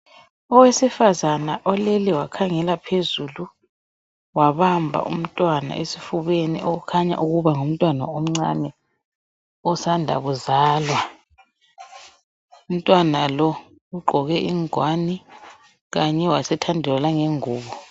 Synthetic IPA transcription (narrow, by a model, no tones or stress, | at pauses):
ɔwesifazanaʔɔleliwakʰaŋɛlapʰezulu | waɓambʱa̰ʔṵm̩tʼwana̰ʔesifuβenḭʔoɣ̬ukʰaɲa̰ʔuɣuβaŋom̩tʼwana̰om̩ŋ͡ǀa̰nɛ | ɔsandʱa̰ɣuzaːlwa | um̩tʼwanalɔ | uɡ͡ǃʱɔɣɛʔiŋwani | ɣaɲɛwasɛtʰandʱɛlalaŋɛŋuːɓɔ